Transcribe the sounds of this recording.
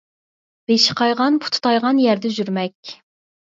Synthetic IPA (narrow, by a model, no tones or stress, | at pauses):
b̥eʃɪ̥qʰɑjʁɑnpʰu̥t̪ʰu̥t̪ʰɑjʁɑnjæɾd̪ɛʒyɾmɛkʲ